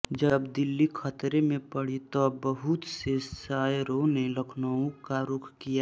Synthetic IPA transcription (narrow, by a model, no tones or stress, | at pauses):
d͡ʒəbd̪ɪlːikʰət̪ɾemẽpəɽ̤it̪ɔbəɦʊt̪sesaːɾoneləkʰnəõkaɾʊkʰkija